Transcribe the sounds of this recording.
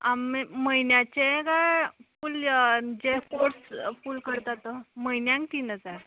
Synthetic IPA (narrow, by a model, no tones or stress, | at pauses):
amiməinjat͡ɕeɡafuld͡ʑefoɾsfulkəɾt̪at̪əməjnjãŋkt̪iːnɦəd͡zaɾ